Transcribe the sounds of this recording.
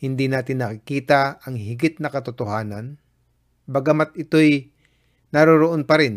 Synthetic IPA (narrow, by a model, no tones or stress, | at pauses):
hɪnd̪inaːt̪ɪnːɐkɪkiːt̪ɐɐŋhɪɡɪt̪̚nɐkɐt̪ʊt̪ohaːnɐn | bɐɡɐmat̪̚ɪt̪o̞j | nɐɾoɾoʔonpɐɾɪn